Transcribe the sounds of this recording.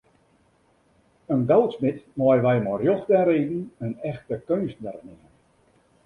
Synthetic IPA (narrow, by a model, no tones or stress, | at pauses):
ənɡɔwˠtsmɪtmɔjəʋɛjmɔrjɔxdɛɾeːdn̩ənɛxtəkønsnərnɪmən